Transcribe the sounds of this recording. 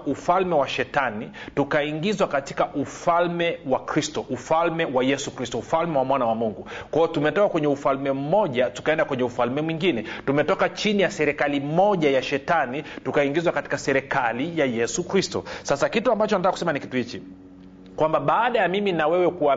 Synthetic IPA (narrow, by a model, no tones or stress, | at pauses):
ufalmɛwaʃɛtanitukaiŋɡizwakati̥kaʔufalmɛwakɾistɔʔufalmɛwajɛsukɾistɔufalmɛwamwanawamuŋɡukwajɔtumɛtɔkakwɛɲɛufalmɛm̩mɔʄatu̥kaɛndakwɛɲɛufalmɛmwiŋɡinɛtumɛtɔkat͡ʃinijasɛɾɛkalimɔʄajaʃɛtanitukaiŋɡizwakati̥kasɛɾɛkalijajɛsukɾistɔ̰sasakituambat͡ʃɔnatakːakusɛmanikituhit͡ʃi | kwambaɓaːɗajamiminawɛwɛkuwa